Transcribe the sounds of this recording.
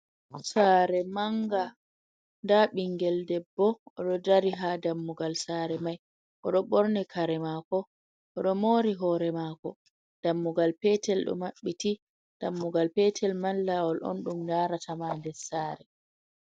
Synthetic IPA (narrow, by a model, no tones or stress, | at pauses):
saːɾɛmaŋɡa | ndaɓiŋɡɛldɛbːɔɔɗɔdaɾiɦadamːuɡalsaːɾɛmaj | ʔɔɗɔɓɔɾnɛkʰaɾɛmakɔ | ʔɔɗɔmoːɾiɦɔɾɛmakɔ | d̥amːuɡalpɛtɛlɗɔ̰maɓːiti | d̥amːuɡalpɛtʰɛlmalːawɔlʔo̰nɗumdaːɾatʰamandɛsaːɾɛ